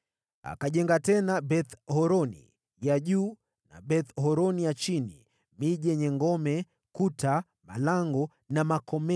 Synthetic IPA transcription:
a̰kaʄɛŋɡatɛnaɓɛθhɔɾɔnḭ | jaʄuː | na̰ɓɛθɦɔɾɔnijat͡ʃinḭ | miʄɛɲɛŋɡɔmɛ | kutʰa | ma̰laŋɡɔ | namakɔmɛ

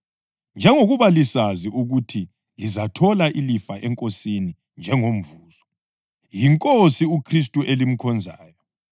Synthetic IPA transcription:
nd͡ʒʱɛŋoɣuβalisaziʔuɣutʰi | lizatʰɔlaʔilifaʔɛŋkʼosini | nd͡ʒʱɛŋom̩vuːz̥ɔ | jiŋkʼosiukʰris̬tʼuʔelim̩kʰɔnd͡zʱaːjɔ

